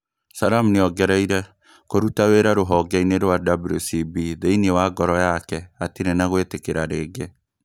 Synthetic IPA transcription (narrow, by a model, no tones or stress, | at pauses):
saɾamuneɔɡɛɾaiɾɛ | koɾutaweɾaɾoɦɔɡɛineɾwadabulosibiðeinewaːɡɔɾɔjakɛatiɾenaɣwetekeɾaɾeːɡe